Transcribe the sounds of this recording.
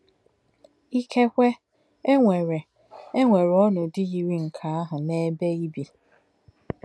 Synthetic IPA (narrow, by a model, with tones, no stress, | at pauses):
i˦kʰe˦kʷe˦ | e˦ŋʷe˨ɾe˨ | e˦ŋʷe˨ɾɔ˦nʊ˨dɪ˦ɣi˨ɾi˦ŋ̩˨kʰa˨a˦ɦʊ˨ne˦be˦i˦bi˨